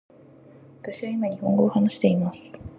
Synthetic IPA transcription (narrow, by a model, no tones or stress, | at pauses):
βat̪aɕiβaimaɲ̟ihõ̞ŋɡo̞ːhanaɕi̥t̪e̞imasɨ̥